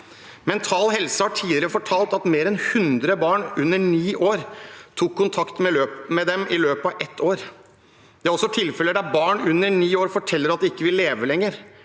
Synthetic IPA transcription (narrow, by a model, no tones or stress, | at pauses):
mɛnt̪ʰɑːlhɛlsəhɑʈʰiːlɪɾɪɾəfɔʈʰɑːlt̪ɑt̪meːɾɛnhʉnd̪ɾəbɑːɳʉnːəɳiːʔoːɾt̪ʰuːkʰːʊnt̪ʰɑkt̪mɛløːpmɛd̪ɛmʔɪløːpɑʔɛt̪ʰːoːɾ | d̪̥ɛæɾɔsːɔt̪ʰɪlfɛləd̪æɾbɑːɳʉnːəɳiːoːɾfɔʈʰɛlːəɾɑt̪̚d̪ɛɪkːəʋɪlːeːʋəlɛŋːəɾ